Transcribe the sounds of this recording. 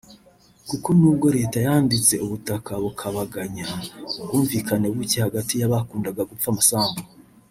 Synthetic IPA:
kukonuːb̚ɡo̞ɾe̞ːtajaːndit͡se̞uβutakaβukʰaβaɡaɲauɡuːɱviːkane̞βucehaɡatijaβakuːndaɡaɡufamasaːŋɡo

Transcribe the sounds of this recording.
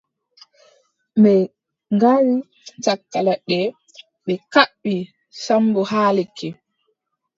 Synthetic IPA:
mɛ | ŋɡaɾi | t͡ʃakːalaɗɛ | ɓɛkaɓːi | sambɔhaːlekːɛ

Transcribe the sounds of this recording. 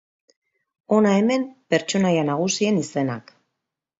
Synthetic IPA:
o̞nae̞me̞mpe̞ɾt͡ʃo̞najanaɣ̞usie̞nise̞nak

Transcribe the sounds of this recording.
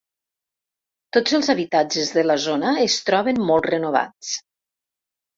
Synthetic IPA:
t̪od͡zəlˠzaβit̪ad͡ʒəzðələzonəːst̪ɾɔβənmɔlˠt̪rənuβ̞a̰t͡s

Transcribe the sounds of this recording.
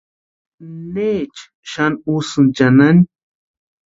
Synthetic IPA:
neːt͡ʃ | ʃanusɨnt͡ʃanan

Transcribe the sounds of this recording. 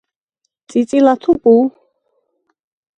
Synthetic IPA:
t͡sʼit͡sʼilat̪ʰupʼu

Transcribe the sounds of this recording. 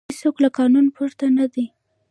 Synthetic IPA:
soklakɑnunpʰuɾt̪anad̪i

